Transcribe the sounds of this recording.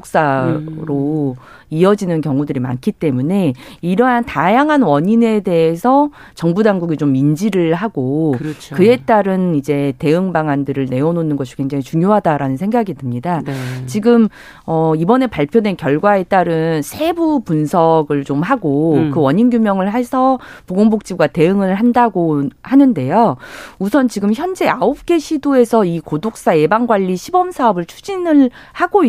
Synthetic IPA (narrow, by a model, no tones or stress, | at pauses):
ok̚s͈aɾo | iʌd͡ʑinɯnkjʌŋudɯɾima̰nkʰit͈e̞mune̞iɾʌɦantajaŋɦanwʌɲine̞de̞ːsʰʌ | t͡ɕʌŋbudaŋɡuɡit͡ɕomːind͡ʑiɾɯɭɦaɡot͡ɕkɯe̞t͈aɾɯnid͡ʑe̞te̞ɯŋbaŋandɯɾɯɭneononɯnɡʌɕʰi̥keŋd͡ʑeŋit͡ɕuŋjoɦadaɾanɯnsʰe̞ŋɡaɡidɯmɲidat͡ɕiɡɯm | ʌibʌne̞paɭpʰjodwe̞nkjʌɭɡwae̞t͈aɾɯnsʰe̞bupunsʰʌɡɯɭt͡ɕomhaɡokɯwʌɲinɡjumjʌŋɯɭɦe̞sʰʌpoɡoŋbok̚t͡ɕ͈iɡwate̞ɯŋɯɭhandaɡohanɯnde̞jousʰʌnt͡ɕiɡɯmçjʌnd͡ʑe̞aop̚k͈e̞ɕʰidoe̞sʰʌikodok̚s͈aje̞baŋɡwaʎːiɕʰibʌmsʰaʌbɯɭt͡ɕʰu̥d͡ʑinɯɭ | haɡoi